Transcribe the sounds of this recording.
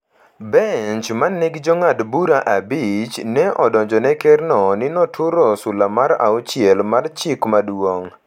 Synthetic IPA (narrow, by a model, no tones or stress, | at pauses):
bɛɲt͡ʃmanːɛɡd͡ʒɔŋadbuɾaʔabit͡ʃnɛʔɔdɔɲd͡ʒɔnɛkɛrnɔnɪnɔtʰʊɾɔsʊlamaɾa̰ɔt͡ʃjɛlmart͡ʃɪkmadwoŋ